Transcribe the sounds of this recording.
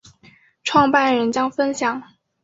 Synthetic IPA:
ʈ͡ʂʰwɑ˥˧ŋpa˥˩nɻə˧˥nt͡ɕjɑ˥ŋfə˥nɕjɑ˨˩˦ŋ

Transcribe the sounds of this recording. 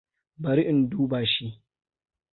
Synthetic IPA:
bɐ˨ɾi˦ʔɪ˨nduː˦baː˨ʃi˦

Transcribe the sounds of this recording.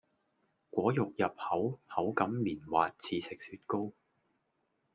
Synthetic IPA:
kʷɔː˨˥jʊ˨k̚jɐ˨p̚hɐ˨˥whɐ˨˥wkɐ˨˥mːiː˨˩nwaː˨t̚t͡sʰiː˧sɪ˨k̚syː˧t̚ko˥w

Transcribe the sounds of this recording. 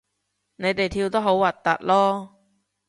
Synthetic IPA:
ne˨˧jt̪e˨jt̪ʰiː˧wt̪o˥ɦo˨˥wːɐ˨˩t̚t̪ːɐ̰˨t̚lɔː˥

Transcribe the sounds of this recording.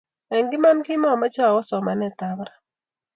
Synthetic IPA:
ɛ˨ŋɡɪ˦ma˦nkɪ˦mɔ˦˨ma˦t͡ʃa˦˨ɔ˦sɔ˨ma˨nɛ˦˨t̪a˨bɾa˨

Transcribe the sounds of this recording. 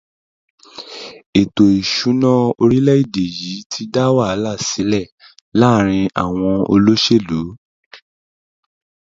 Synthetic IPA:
e˨to˨i˨ʃu˨˦nã˦o˧ɾi˦lɛ˦i˦˨de˨ji˨˦tʰi˧da˦wa˦a˨˦la˦˨si˨˦lɛ˦˨ | la˦ɾ̃ĩ˧a̰˦˨w̃ɔ̃˧o̰˧lo˦ʃe˦˨lu˨˦

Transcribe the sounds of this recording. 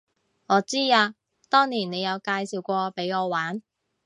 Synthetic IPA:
ŋɔː˨˧t͡siː˥aː˧ | t̪ɔː˥ŋniː˨˩nne˨˧jɐ˨˧wkaː˧jsiː˨˩wkʷɔː˧pe˨˥jɔː˨˧waː˨˥n

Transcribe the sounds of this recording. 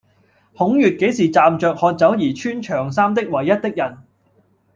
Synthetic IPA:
hʊ˨˥ŋjyː˨t̚ke˨˥jsiː˨t͡saː˨mt͡ʃœː˨˧k̚hɔː˧t̚t͡sɐ˨˥wjiː˨˩t͡ʃʰyː˥nt͡ʃʰœː˨˩ŋsaː˥mt̪ɪ˥k̚wɐ˨˩jːɐ˥t̚t̪ɪ˥k̚jɐ˨˩n

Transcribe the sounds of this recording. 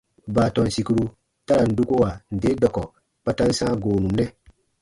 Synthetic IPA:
baː˨tɔ˨n˨si˨ku˦ɾu˧ | ta˦ɾa˨n̩˨du˦ko˦wa˨n̩˨de˨˦dɔ˨kɔ˨ | pa˨ta˦n̩˦sãː˦ɡoː˨nũ˨m˦nɛ˦

